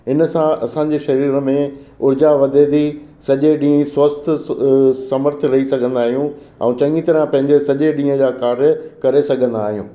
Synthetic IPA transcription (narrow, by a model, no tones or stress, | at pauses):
ɦɪnə̆sãɐsãːɲ̆d͡ʑeʃɐɾiːɾmẽʊɾd͡ʑaʋɐd̪ʱed̪isɐʄeɗĩːswɐst̪ʰ | sɐməɾt̪ʰɾɐɦisɐɡʱə̃nd̪aːɦijũ | ɛ̰̃ũt͡ɕɐ̃ŋɡit̪ɐɾãpɐ̃ɦɪ̃ɲd͡ʑesɐʄeɗĩːə̃d͡ʑaːkaːɾjəkɐɾesɐɡʱə̃nd̪aːɦijṵ̃ː